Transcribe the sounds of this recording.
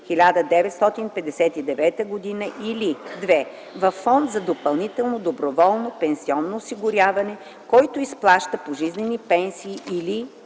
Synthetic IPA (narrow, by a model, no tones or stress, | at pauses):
xilʲad̪əd̪ɛvɛt̪st̪ɔt̪inpɛd̪ɛsɛt̪id̪ɛvɛt̪əɡod̪inəʔilid̪vɛ | vɐfːɔnd̪zɐd̪opɐlˠnit̪ɛlˠnod̪obɾovɔlˠnopɛnsiɔnːoːsiɡʊɾjavɐnɛ | kɔjt̪oisplˠaʃt̪əpoʒiznɛnipɛnsiːʔili